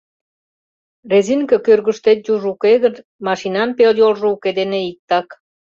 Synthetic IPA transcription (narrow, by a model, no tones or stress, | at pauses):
rezinkə̆kørɣə̆ʃt̪et̪̚juʒukeɣə̆n | mɑʃinɑmpeljolʒɤ̆uked̪eneik̚t̪ɑk